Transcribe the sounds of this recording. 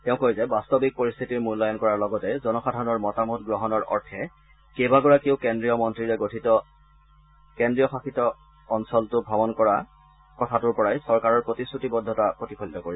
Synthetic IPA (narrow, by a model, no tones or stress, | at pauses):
tɛʊ̃kojzɛbastɔbik̚poɹist̪ʰitiɹmunlɔjɔnkɔɹaɹlɔɡɔtɛzɔnɔxadʱaɹɔnɔɹmɔtamutɡɹɔɦɔnɔɹɔ̰ɹtʰɛ | kebaɡɔɹakiʊkendɹijɔmɔntɹiɹɛɡotʰitɔ | kendɹijɔxaxitɔː | nsɔltʊbʱabɔnkɔɹa | kɔtʰatuɹpɔɹajsɔɹkaɹɔɹpɹotisɹutibɔdʱːɔtapɹotipʰolitɔkoɹis